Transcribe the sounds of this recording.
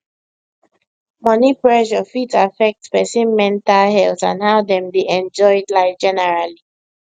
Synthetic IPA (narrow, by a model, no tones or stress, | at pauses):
mʌnipɹɛʃɔfitafɛk̚tspɛsĩnmɛ̃ntalɦɛltãnhaʊdɛ̃mbiʔɛ̃nd͡ʒɔɪdlaɪfd͡ʒɛnɛɹali